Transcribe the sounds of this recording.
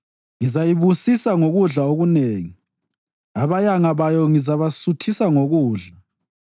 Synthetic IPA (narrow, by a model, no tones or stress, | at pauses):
ŋizajiβusisaŋoɣuɮaoɣuneːŋi | aβajaŋaβajɔŋizaβasutʰisaŋoɣuːɮa